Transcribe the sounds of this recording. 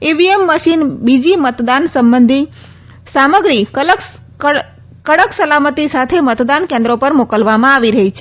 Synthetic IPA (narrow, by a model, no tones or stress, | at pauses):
eʋiemːəsinbid͡ʒimət̪d̪ansəmbənd̪ʱi | saməɡɾilə | kəɽəksəlamət̪isat̪ʰemət̪d̪ankẽnd̪ɾopəɾmokəlʋamãaʋiɾəɦɛt͡ʃʰɛ